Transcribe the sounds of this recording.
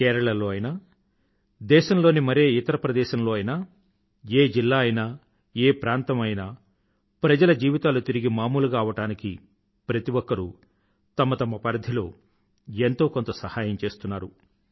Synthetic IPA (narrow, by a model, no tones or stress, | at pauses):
kɛːɾɐɭɐlo̞ːɐjnaː | d̪ɛːʃɐmlo̞ːnimɐɾeːit̪ɐɾɐpɾɐd̪ɛːʃɐmlo̞ːɐjnaː | eːd͡ʒilːaːɐjnaː | eːpɾaːnt̪ɐmɐjnaː | pɾɐd͡ʒɐlɐd͡ʒiːʋit̪aːlut̪iɾiɡimaːmuːluɡaːʋɐʈaːniki | pɾɐt̪iwokːɐɾu | t̪ɐmɐt̪ɐmɐpɐɾɐd̪ʱilo̞̰ː | ent̪o̞ːkont̪ɐsɐhaːjɐmt͡ʃe̞ːst̪unːaːɾu